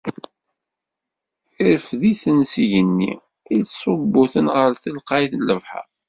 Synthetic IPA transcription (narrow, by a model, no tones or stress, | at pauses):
iɾəfðiθənsiʝənːḭ | isˤobːʊθənʁəɾθəlqɑjθlːəvħa̰